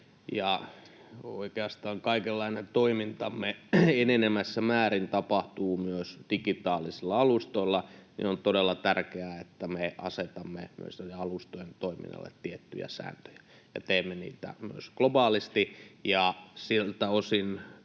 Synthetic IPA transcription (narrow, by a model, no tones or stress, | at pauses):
jɑ | o̰ikeɑst̪ɑːŋkɑikelːɑinent̪oimint̪ɑmːeenenemæsːæmæːɾint̪ɑpɑht̪uːmyøsd̥ikit̪ɑːlisilːɑɑlust̪oilːɑnḭont̪odelːɑt̪ærkeæet̪ːæmeʔɑ̰set̪ɑmːḛmy̰ø̰seleɑlust̪ojent̪oimḭnːɑ̰lːḛt̪tːiet̪ːy̰jæ̰sæ̰ːnt̪ø̥jæ̥ | jɑ̰t̪eːmːenḭːt̪æ̰my̰øsklobɑːlist̪ijɑsilt̪æosin